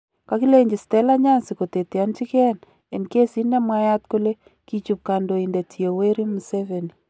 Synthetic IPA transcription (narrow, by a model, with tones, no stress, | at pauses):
ka˦ki˦le˦ɲd͡ʒi˨stɛ˦la˦ɲa˦nsi˨ko˨te˨te˨a˦nt͡ʃi˦kɛ˦n | ɛ˨nke˦si˦nɛ˦mwa˦ja˦t̚ko˦le˦ | ki˨t͡ʃup̚ka˨ndo˨indɛ˨tʰi˨o˨we˦ɾi˦mu˨sɛveni